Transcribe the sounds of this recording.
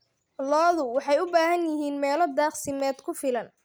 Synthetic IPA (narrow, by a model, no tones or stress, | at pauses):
lɔːðʊwɑħɑjʊbaːɦɐnjɪɦiːnmɛːlɔd̪aːχsɪmɛːd̪kʰʊfɪlɐn